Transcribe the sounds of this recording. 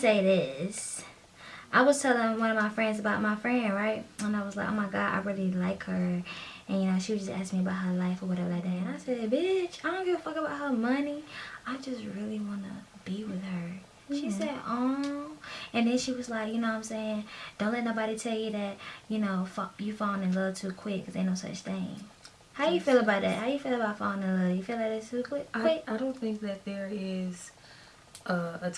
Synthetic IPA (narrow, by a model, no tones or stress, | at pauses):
seɪðɪs | ʔaɪwʌz̥tʰɛlˠɪ̃ŋwʌ̃nʌvmaɪfɹɛ̃ndzɨbaʊt̚maɪfɹɛ̃nd̚ɹaɪt̚ə̃naɪwʌzlaɪkoʊmaɪɡɑʃa̰ɪɹɪlˠilaɪkhə˞ʔɨ̃njɨnoʊʃiwɨd͡ʒʌstæ̰skmiəbaʊt̚ɦə˞laɪfə˞wʌɾɛvə˞ɨðɨɨ̃naɪsɛd̚bɪt͡ʃaɪdõʊ̃nɡofʌkŋəbaʊt̚həmʌniaɪd͡ʒʌst̚ɹɪlˠiwɑnə̰b̥iwɪð̥ə˞ | ʃisɛɾɔmɨ̃nðɨ̃nʃiwʌzlaɪkjɨnoʊãɪ̃mseɪɪ̃ŋd̥õʊ̃nlɛtⁿnoʊbɑɾitʰɛlˠjɨðɨt̚jɨnoʊfjɨfãnɨlɪɾl̩ˠtʰʉkʰw̥ɪkʰːʌzðeɪnoʊsʌ̰t͡ʃθɪ̃ŋ | haʊɨjɨfilˠəbaʊt̪̚ðæ̰t̚haʊjɨfilˠəbaʊtfɑ̃ɪ̃ŋəlɪɾl̩ˠjɨfilˠaðɨstʰʉkʰw̥ɪkḁɪkaɪɾõʊ̃nθɪ̃ŋk̚ðɨt̪̚ðə˞ɪz̥ | ʔʌə